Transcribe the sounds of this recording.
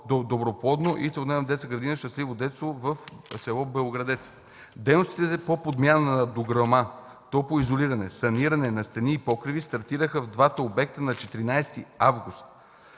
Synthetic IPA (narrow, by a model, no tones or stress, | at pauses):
od̪obɾopˠɔd̪noʔit̪sɛlˠd̪ɛnd̪ɛt̪səɡɾɐd̪inəʃt̪ɐslivod̪ɛt̪st̪vovɐfsɛlˠɔbɛoɡɾɐd̪ɛt̪s | d̪ɛjnost̪it̪ɛɛpopod̪mʲjanənɐd̪oɡɾoma | t̪ɔpoizoliɾɐnɛsɐniɾɐnɛnɐst̪ɐniːpɔkɾivist̪ɐɾt̪iɾəxəvd̪vat̪əobɛk̚t̪ənɐt͡ʃɛt̪iɾinajst̪iavɡust̪̚